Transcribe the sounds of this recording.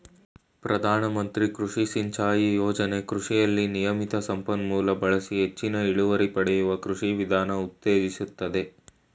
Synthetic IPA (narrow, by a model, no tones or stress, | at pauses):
pɾɐd̪ʱaːnɐmɐnt̪ɾikɾuʂisiɲt͡ʃaːjijoːd͡ʒɐne̞kɾuʂijɐlːinijɐmit̪ɐsɐmpɐnmuːlɐbɐɭɐsiɦe̞t͡ʃːinɐiɭuʋɐɾipɐɽejuʋɐkɾuʂiʋid̪ʱaːnɐut̪ːeːd͡ʒisut̪ːɐd̪e̞